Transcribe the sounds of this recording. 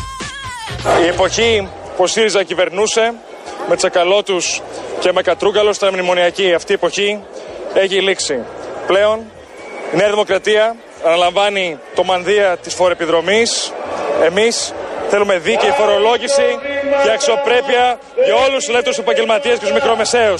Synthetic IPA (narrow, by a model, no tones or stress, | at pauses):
ie̞po̞çi | po̞siɾizɐcive̞ɾnuse̞ | me̞t͡sɐkɐlo̞t̪usce̞me̞kɐt̪ɾuɡɐlo̞st̪inɐmnimo̞niɐciɐft̪iepo̞çie̞çiliksiple̞o̞n | ineɐðimo̞kɾɐt̪iɐ | ɐnɐlɐɱvɐnit̪o̞mɐnðiɐt̪isfo̞ɾoepiðɾo̞mise̞misθe̞lume̞ðiceifo̞ɾo̞lo̞ʝisiʝɐːksiopɾe̞piɐ | ʝɐo̞lust̪uleft̪eɾuse̞pɐɲɟe̞lmɐt̪iɐsket̪uzmikɾo̞me̞se̞us